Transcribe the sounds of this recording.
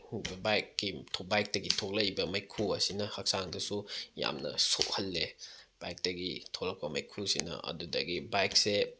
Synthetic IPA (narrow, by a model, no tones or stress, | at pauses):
hujbɐbajkːitʰobajk̚tɐɡitʰok̚lɐjbɐmɐjkʰuɐsinɐhɐk̚saŋdɐsuja̰mnɐ̰sokhɐlːeb̥ajk̚tɐɡitʰoklɐk̚pɐmɐ̰jkʰusinɐ̰ɐ̰dudɐɡibajkse